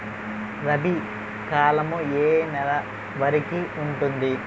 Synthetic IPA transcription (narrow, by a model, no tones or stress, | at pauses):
ɾɐbʱi | kaːlɐmueːnɛlɐ | ʋɐɾikiuɳʈund̪i